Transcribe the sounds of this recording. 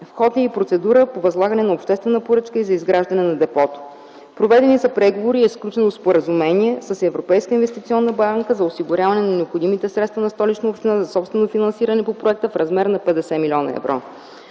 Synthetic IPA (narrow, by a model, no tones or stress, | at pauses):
fxɔd̪niipɾot̪sɛd̪uɾəpovɐzlˠaɡɐnɛnɐopʃt̪ɛst̪vɛnəpoɾɤt͡ʃkəizɐizɡɾaʒd̪ɐnɛnɐd̪ɛpɔt̪ʊ̥ | pɾovɛd̪ɛnisɐpɾɛɡovoɾiɛsklʲut͡ʃɛnospoɾəzumɛniɛsəsɛvɾopɛjskəinvɛst̪it̪sʲiɔnːəbaŋkəzɐosiɡʊɾʲjavɐnɛnɐnɛopxod̪imit̪ɛsɾɛt̪st̪vənɐst̪ɔlit͡ʃnəopʃt̪inazɐsɔpst̪vɛnofinɐnsiɾənɛpopɾoɛk̚t̪əfɾɐzmɛɾnɐpɛd̪ɛsɛmilʲɔnə̰ɛ̰vɾo̰